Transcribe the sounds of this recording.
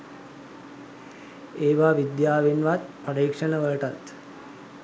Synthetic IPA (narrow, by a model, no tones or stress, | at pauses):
eːʋaːʋid̪jaːʋenʋat̪̚pəɾiːkʂənəʋəʈat̪